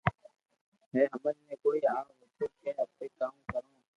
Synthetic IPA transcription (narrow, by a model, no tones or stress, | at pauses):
ɦẽːɦəmənmẽːkoːiːaːɦoːt̪ʰoːkʰẽːɦəpeːkaːũːkəɾõː